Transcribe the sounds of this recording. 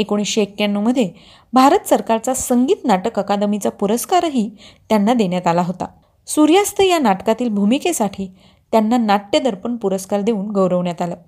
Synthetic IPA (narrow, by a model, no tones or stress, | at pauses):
ekoɽ̃isɕeek̚kanːuməd̪ʱːje | bʱaɾət̪əsəɾkaɾt͡sasəŋɡiːt̪naʈəkəkad̪əmit͡sapuɾəskaɾɦiːt̪janːad̪eɳjat̪alaɦot̪a̰ | suɾjast̪ʰəjanaʈkat̪iːlbʱumikesaʈʰiː | t̪janːanaʈːed̪əɾpəɳpuɾəskaɾd̪euːnɡəwɾəʋɳjat̪alə